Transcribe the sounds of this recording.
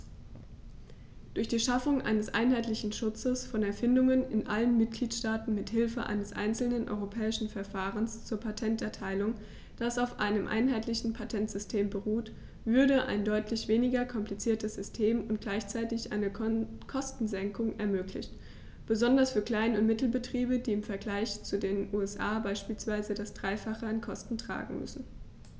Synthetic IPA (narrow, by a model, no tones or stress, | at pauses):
d̥ʊɐçd̥iːʃafʊŋʔa̰ɪnəsʔa̰ɪnɦaɪtlɪçn̩ʃʊt͡səsfɔnɛɐfɪndʊŋənɪnʔalənmɪt̚ɡ̥liːtʃtaːtn̩mɪthɪlfəʔa̰ɪnəsʔa̰ɪnt͡sl̩nənʔɔ̰ʏʁopʰɛːɪʃn̩fɛɐfaːʁ̞ənst͡suːɐpʰatʰɛntɛɐtʰaɪlʊŋ | d̥asaʊfʔa̰ɪnəmʔa̰ɪnɦaɪtlɪçn̩pʰatʰɛntz̥ʏstʰeːmbəʁuːt | vʏɐdəʔa̰ɪndɔʏtʰlɪçv̥eːnɪɡɐkʰɔmpʰlit͡siːɐtəsz̥ʏstʰeːmʊnt̚ɡ̥laɪçt͡saɪtɪçʔa̰ɪnəkʰɔstn̩zɛŋkʊŋɛɐmøːkʰlɪ̰çt | b̥əzɔndɐsfyːɐkl̥aɪnʊntmɪtl̩bətʁ̥iːbədiːɪmfɛɐɡlaɪçt͡sudeːnʔuːɛsʔaːbaɪʃpiːlsv̥aɪzədasd̥ʁaɪfaχəankʰɔstn̩tʁ̥a̰ːɡŋ̩mʏ̰sn̩